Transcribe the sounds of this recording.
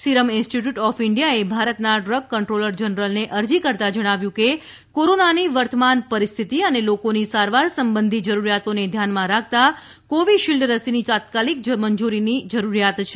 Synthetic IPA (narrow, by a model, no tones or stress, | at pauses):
siɾəmɪnsʈiʈjuʈɔfɪɳɖijaebʱaɾət̪naɖɾəɡːəɳʈɾoləɾd͡ʒənɾəlneʔəɾd͡ʒikəɾt̪ad͡ʒəɽ̃aʋjũke | koɾonaniʋəɾt̪əmanpəɾist̪ʰit̪iənelokonisaɾʋaɾsəmbənd̪ʱid͡ʒəɾuɾijat̪oned̪ʱjanmãɾak̚ʰt̪a | koʋiʃild̪ɾəsinit̪at̪̚kalik̚d͡ʒəməɲd͡ʒuɾinid͡ʒəɾuɾijat̪t͡ʃʰe